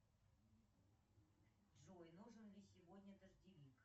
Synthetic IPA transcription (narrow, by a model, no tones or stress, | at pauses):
ʐojnuʐɨnlʲɪsʲɪvodʲnʲəd̪əʐdʲɪlʲik